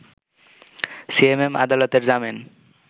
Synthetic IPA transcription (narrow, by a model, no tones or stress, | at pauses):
siemema̰d̪alot̪eɾd͡ʑamen